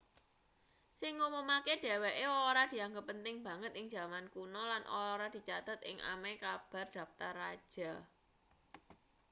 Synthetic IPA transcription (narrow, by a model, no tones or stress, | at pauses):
siŋumomaked̥e̤weʔeoɾad̪̥i̤aŋɡəpənt̪ɪŋb̥ä̤ŋət̪ɪŋd͡ʒa̤mankunɔlanʔo̰ɾad̪̥i̤t͡ʃat̪at̪ɪŋʔa̰mekab̥a̤rd̪̥ä̤p̚t̪arːad̥ʒ̥a̤